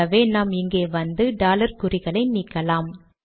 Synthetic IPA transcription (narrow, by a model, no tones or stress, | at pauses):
ɐʋeːnaːmɪŋɡeːʋɐnd̪ɯɖaːlɐɾkʊrɪɣɐɭɐɪniːkːɐlaːm